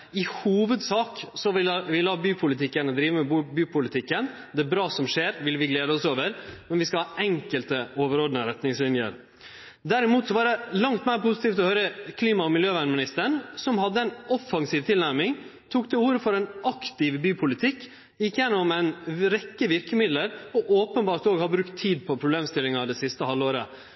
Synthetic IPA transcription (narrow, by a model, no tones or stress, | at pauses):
ɪhuːʋəd̪sɑːksɔʋɪʋɪlɑːbyːpʰʊlɪt̪ʰɪkːənəd̪ɾiːʋəmɛbbyːpʰʊlɪt̪ʰɪkːən | d̪ɛbɾɑːsɔmʂeːɾʋɪlʋɪɡleːd̪əɔsoːʋəɾmɛnʋɪskɑlhɑːʔɛŋkəlt̪əoːʋəɾoːd̪ənəɾɛt̪nɪŋslɪnjə̰ɾ | d̪æɾɪmuːt̪sɔʋɑːɖɛlɑŋt̪mæːɾpʊsɪ̥t̪iːft̪ɔhœʏɾəkʰliːmɑɔmɪljøːʋæɳmɪnɪst̪əɳsɔmhɑd̪ːəɛɪnɔfːɑŋsiːʋt̪ʰɪlnæɾmɪŋ | t̪ʰuːkd̪ɛuːɾəfɔɾɛɪnʔɑkt̪ɪʋbyːpʰʊlɪt̪ʰɪkː | ɪkːəjɛnːɔmæɪnɾɛkːəʋɪɾkəmɪd̪ləɾɔʔoːpənbɑːɾt̪oːɡhɑbɾʉkt̪ʰːiːd̪̚pʰɔpʰɾʊbleːmst̪ɪlɪŋɑd̪ɛsɪst̪əhɑlːoːɾə̰